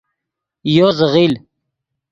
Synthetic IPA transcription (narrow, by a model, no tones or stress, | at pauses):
joːzəɣiːl